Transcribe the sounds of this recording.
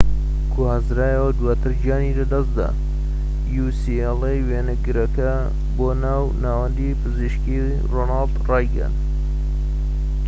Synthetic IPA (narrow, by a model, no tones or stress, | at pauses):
kʰuhazɾaːjɐwɐd̪waːt̪ʰɨɾd͡ʒijaːnilɐd̪ɐsd̪a̰ː | jusielejweːnɨɡɨɾɐkɐ | boːnaːwnaːwɐnd̪ipʰɨziʃki | roːnaːld̪rɑːjɡə̰n